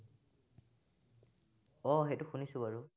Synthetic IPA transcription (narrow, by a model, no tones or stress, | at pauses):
ɔɦetʊxunisʊbaɹu